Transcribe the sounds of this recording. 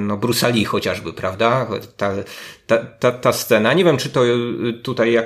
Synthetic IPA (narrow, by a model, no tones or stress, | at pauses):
nɔbɾusalʲixɔt͡ɕaʐbɘpɾavd̪at̪at̪at̪at̪ast̪sɛnaɲɛvʲjɛmt͡ʂɘt̪ɔt̪ut̪ajːa